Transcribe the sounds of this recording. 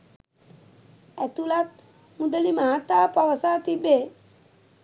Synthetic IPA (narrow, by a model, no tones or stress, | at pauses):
ɛt̪ulat̪̚ | mud̪əlimaɦat̪aːpəʋəsaːt̪ibe